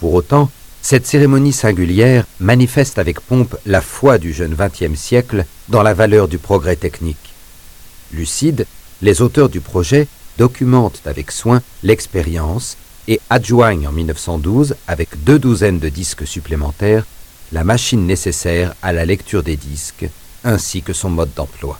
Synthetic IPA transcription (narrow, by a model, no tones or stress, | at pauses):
puʁot̪ɑ̃ | sɛt̪seʁemɔnisɛ̃ɡʲyljɛʁmanifɛst̪avɛkpɔ̃plafwad̪yʒənvɛ̃t̪jɛmsjɛkld̪ɑ̃lavalœʁd̪ypχɔɡʁɛt̪ɛknik | lysid̪lezot̪œʁd̪ypχɔʒɛd̪ɔkʲymɑ̃t̪avɛkswɛ̃lɛkspeʁjɑ̃s | eaʒwaɲɑ̰̃milnəfsɑ̃d̪uzavɛkd̪ød̪uzɛnd̪əd̪isksyplemɑ̃t̪ɛʁlamaʃinːesesɛʁalalɛkt̪yʁd̪ed̪isk | ɛ̃sikəsɔ̃mɔd̪ːɑ̃plwa